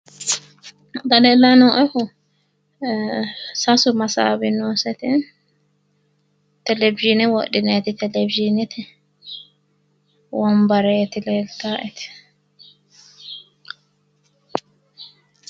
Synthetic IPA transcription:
d̪ɐlɛːlːanoːʔɛkʊ | sɐsʊmɐsa̰ːbɪnoːsɛt̪ɪn | t̪ɛlɛbɪʒinɛwɔɗɪnet̪ɪt̪ɛlɛbɪd͡ʒinɛt̪ɪ | wɔmbɐɾet̪ɪlelt̪aːʔɛt̪ɪ̥

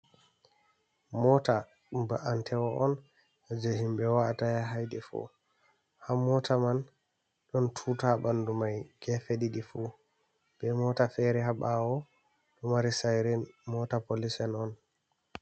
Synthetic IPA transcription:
mɔta | mbaʔantʰɛwɔʔɔn | ad͡ʒoɦimbɛwaatajaɦajdɛfɔ̰ | hamːɔtʰaman | ɗɔntʰutabandumajɡ̥ɛfeɗiɗifu | b̥ɛmɔtafɛɾɛɦaɓawɔ | ɗɔmaɾisajɾɛmɔtapolisɛnɔn

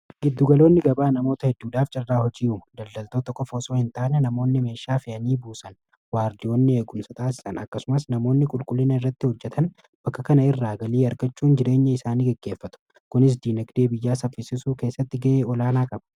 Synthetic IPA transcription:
ɡɪd̪ːʊɡɐlo̞ːnːɪɡɐbaːnɐmo̞ːt̪ɐhɛd̪ːuːᶑaːft͡ʃʼɐrːaːɦɔd͡ʒiːuːd̪ɐld̪ɐlt̪ot̪ɔkʼːɔfoso̞ːhɪnt̪aːnɛnɐmo̞ːnːɪme̞ːʃːaːfɪʔɐniːbuːsɐn | waːɾd̪ɪoːnːɪe̞ːɡʊmsɐt̪ʰʼaːsɪ̥sɐnɐkːɐsʊmɐsnɐmo̞ːnːɪkʼʊlkʼʊlːɪnɐɪrːɐt̪ːɪhɔd͡ʒːɛt̪ʰɐn | b̥ɐkːɐkɐnɐɪrːaːɡɐliːɐɾɡɐt͡ʃːuːnd͡ʒɪɾe̞ːɲːɐɪsaːniːɡɛɡːe̞ːfːɐt̪ʊ̥ | kʊnɪs̬d̪iːnɐkd̪e̞ːbɪjːaːsɐfːɪsɪsuːke̞ːsːɐt̪ːɪɡɐʔeːɔlaːnaːkʼɐbɐ̥

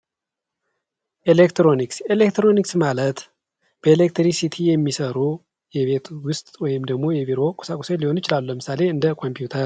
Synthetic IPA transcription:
ʔelekt̪ɾo̞nikselekt̪ɾo̞niksmalət̪ | b̥əelek̚t̪ɾisit̪ʰijɛmːisəɾu | jɛβe̞t̪wʊst̪ʼwɔjɪmd̪əɡmo̞jɛviɾo̞kʼu̥sakʼu̥seliho̞njɪt͡ʃɪlaluləmɨsale̞ɨnd̪əkʰo̞mpʰjut̪ʰəɾ

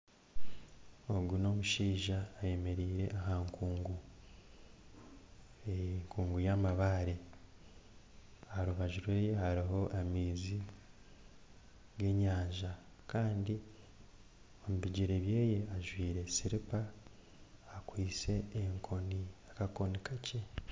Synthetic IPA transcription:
o̞ɡuno̞muʃiːʒaːje̞me̞ɾiːɾe̞ʔaɦaːŋkʰuːŋɡu | eŋkuːŋɡujamaβaɾe | aɾuβaʒuɾwe̞ːje̞haɾiɦo̞ʔamiːzi | ɡe̞ɲaːɲʒa | kaːndi | o̞muβiɟiɾeβje̞ːje̞aʒwiːɾe̞siɾipaː | kwiːt͡se̞ːŋkʰo̞niakako̞nikacʰe̞

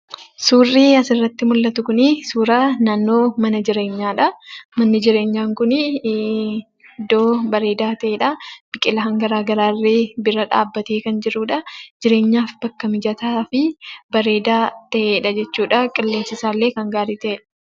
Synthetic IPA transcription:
suːrːiːɐsɪrːɐt̪ːɪmʊlːɐt̪ʊkʊnɪsuːɾɐnaːnːo̞ːmɐnɐd͡ʒɪɾe̞ːɲːaːᶑɐmɐnːɪd͡ʒɪɾe̞ːɲːaːŋkʊnɪ | d̪o̞ːbɐɾe̞ːd̪aːt̪ɐʔeːᶑɐb̥ɪkʼɪlɐɦɐŋɡɐɾaːɡɐɾaːrːɪbɪɾɐᶑa̰ːbːɐt̪eːkɐnd͡ʒɪɾuːᶑɐd͡ʒɪɾe̞ːɲːaːfbɐkːɐmɪd͡ʒɐt̪aːfɪbɐɾe̞ːd̪aːt̪ɐʔeːᶑɐd͡ʒɛt͡ʃːuːᶑɐkʼɪlːeːsɪsaːlːe̞ːkɐŋɡaːɾiːt̪ɐʔeːᶑɐ̥

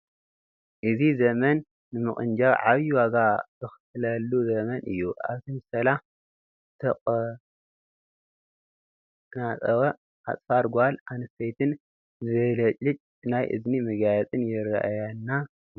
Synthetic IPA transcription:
ʔɨzizɐmɐnː | ɨmɨχʼɨnd͡ʒaβʕaβjiwaɡabɨxɨ̥tɨlɐlːuzɐmɐnʔɨ̰jːuʔa̰βt̪ʰimɨsɐla | t̪ʰɐkʼ | nat͡sʼɐwɐ | ʔa̰t͡sʼfaɾɡʷalanɨsʰejt̪ʰɨn | zɨβɐlɐt͡ʃʼːɨt͡ʃʼ | najʔɨ̰znimɨɡajɛt͡s̪ʼɨnjɪɾaʔajanːa

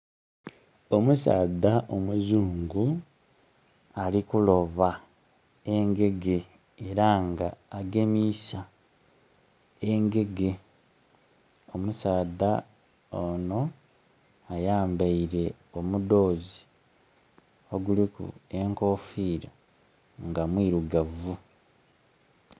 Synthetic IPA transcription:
o̞musa̰ːdaʔomuzuːŋɡu | alikulo̞βa | eŋɡe̞ɡe | eɾaŋɡaːɡe̞misa | eŋɡe̞ɡe̞ | o̞musaːda | ono̞ | ajaːmbaiɾe̞ | o̞mudo̞ːzi | o̞ɡulikṵe̞ŋko̞ːfiːɾa | ŋɡamwiːɾuɡavu

